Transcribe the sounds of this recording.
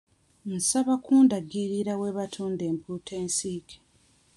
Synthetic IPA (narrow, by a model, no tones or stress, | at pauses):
n̩saβakʰuːndaɡiɾiɾaweβatʰuːnde̞ːmpuːtʰe̞ːnsiːkʰe̥